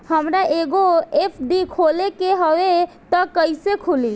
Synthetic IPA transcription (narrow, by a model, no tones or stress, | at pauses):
həmɾaʔeːɡoepʰɖikʰoːlekeɦəʋe | t̪ɔkəisekʰʊli